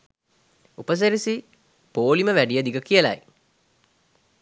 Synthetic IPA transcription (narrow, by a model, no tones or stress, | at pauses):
upəs̬eɾisi | poːliməʋæɖijəd̪iɡəkijəla̰j